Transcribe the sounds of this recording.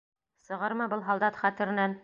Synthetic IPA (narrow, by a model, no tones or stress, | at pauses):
sɤ̆ʁɤɾmɤbɤlˠɦɑlˠd̪ɑt̪χæt̪ɘ̆ɾɘ̆næn